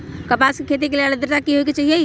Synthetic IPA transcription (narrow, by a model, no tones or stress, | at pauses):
kəpaskekʰet̪̬ikeleald̪ɾt̪akiɦojket͡ʃəɦije